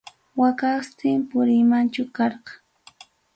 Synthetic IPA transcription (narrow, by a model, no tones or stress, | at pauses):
wakast̪ɪmpʊɾɪmant͡ʃʊkɑɾqɑ̥